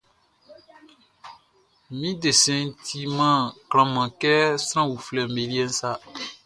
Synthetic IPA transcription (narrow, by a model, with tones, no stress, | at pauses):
mĩ˦de˨sɛ̃˨n̩˦tʰi˦mã˦˨kl̃ã˨mã˨kɛ˦sɾ̃ã˦wu˨flɛ˨me˨li˦ɛ˦n̩˦sa˦